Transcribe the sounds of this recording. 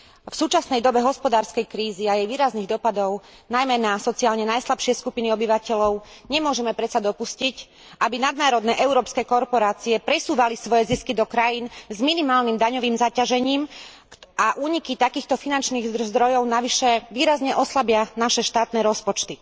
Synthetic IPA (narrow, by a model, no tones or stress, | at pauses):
fsuːt͡ʃasnɛjd̪ɔbɛɦɔspɔd̪aːɾskɛjkɾiːziajɛjʋiːɾazniːɣd̪ɔpad̪ɔʊ | najmɛnasɔt͡siaːlɲɛnajslapʃɪɛskupiniɔbiʋacɛlɔʊɲɛmʊɔʒɛmɛpɾɛt̪t͡sad̪ɔpuscic | ʔabinad̪naːɾɔd̪nɛʔɛʊɾɔːpskɛːkɔɾpɔɾaːt͡siɛpɾɛsuːʋalisʋɔjɛziskid̪ɔkɾajiːnzminimaːlnimd̪aɲɔʋiːmzacaʒɛɲiːm | aʔuːɲikit̪akiːxt̪ɔfinant͡ʃniːɣzzd̪ɾɔjɔʊnaʋiʃɛʋiːɾazɲɛʔɔslabɪanaʃɛʃt̪aːt̪nɛːɾɔspɔt͡ʃt̪i